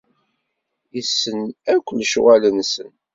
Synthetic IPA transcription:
isːənækʷːəlʃwælənsən

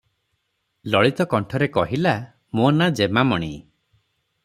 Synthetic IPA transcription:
lɔɭit̪ɔkɔɳʈʰɔɾekɔɦila | monad͡ʒemamɔɽ̃ḭ

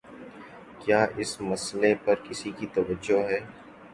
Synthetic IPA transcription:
kjaːʔɪsmɐslepɐɾkɪsikit̪ɐʋəd͡ʒːoɦɛː

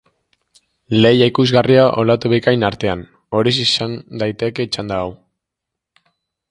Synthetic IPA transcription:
le̞jaikuzɣariaʔo̞lat̪uβikajnaɾt̪e̞an | o̞ɾisisand̪ajt̪e̞ke̞it͡ʃand̪aːw

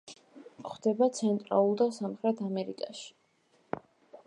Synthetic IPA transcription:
χd̪ɛbat̪sʰɛnt̪ʼɾa̰lˠulˠd̪asamχɾɛt̪ʰamɛɾikʼaʃi̥

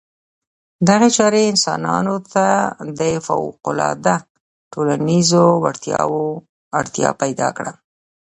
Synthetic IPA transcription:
d̪aɣet͡ʃɑɾeɪnsɑnɑ̰not̪ad̪əfa̰wqʊlɑd̪a | ʈolanizowaɽt̪jɑo | aɽt̪jɑ̰pajd̪ɑkɽa

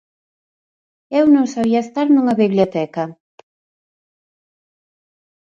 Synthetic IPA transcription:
ewnõŋsaβiɐest̪aɾnuŋɐβiβljot̪ɛkɐ

